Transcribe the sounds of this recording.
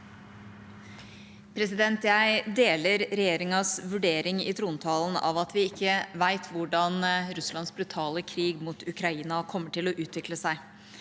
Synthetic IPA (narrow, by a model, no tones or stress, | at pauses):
pʰɾɛsɪd̪ɛnt̪jæɪd̪eːləɾɾɛjeːɾɪŋɑsʋʉɖeːɾɪŋɪ̰t̪ʰɾuːnt̪ʰɑːln̩ɑ̰ʋɑt̪ʰʋɪɪkːəʋæɪt̪ʰʋʊɖɑnɾʉslɑnsbɾʉt̪ʰɑːləkʰɾiːɡmuːt̪ʰʉkʰɾɑiːnɑkʰɔmːəʈɪlɔʔʉːt̪ʰʋɪkləsæɪ